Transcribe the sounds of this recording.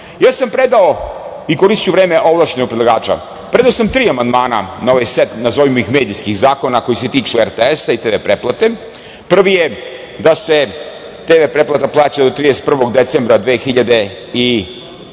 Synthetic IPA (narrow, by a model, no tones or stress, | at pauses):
jaːsampɾe̞d̪ao | ikoɾist͡ʃuʋɾeːmeʔo̞ʋlˠaʃɲenoɡ̚pɾed̪laɡaːt͡ʃa̰ | pɾe̞d̪aosamt̪ɾiːamand̪maːna̰naoʋajset̪nazoʋimixmeːd̪ijskixzaːko̞nako̞jise̞t̪iːt͡ʃueɾt̪eesait̪eːʋepɾeplˠat̪e̞ | pr̩ʋije | d̪ase̞ | t̪eːʋepɾe̞plˠat̪aplˠaːt͡ɕad̪ot̪ɾiːd̪est̪pr̩ʋoɡd̪et̪sembɾad̪ʋeːxiʎad̪e̞ | i